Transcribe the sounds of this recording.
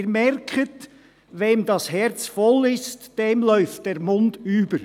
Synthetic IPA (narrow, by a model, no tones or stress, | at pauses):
ɾmɛɾkʰət | ʋeːmdɑshɛɾt͡sfɔlɪstd̥eːmlœʏft̚d̥eːɾmʊndyːb̥əɾ